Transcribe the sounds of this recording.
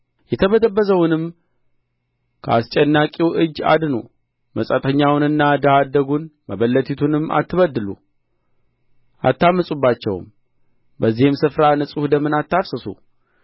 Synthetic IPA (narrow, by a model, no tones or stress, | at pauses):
jɛt̪ʰəβəd̪əbːəzəwʊnɨm | kʰəast͡ʃʼɛnːakʼiwʔɨd͡ʒːa̰d̪nṵ | məsʼət̪ʰəɲːawʊnɨnːad̪əhad̪ːəɡunməβəlːət̪ʰit̪ʰunɨmːa̰t̪ʰːɨβəd̪ːɨlṵ | ʔa̰t̪ːamːəsʼubːat͡ʃːɛ̰w̰m | bəzːihɨmsɨfɾanɨsʼuhd̪əmːɨnat̪ːafsəsṵ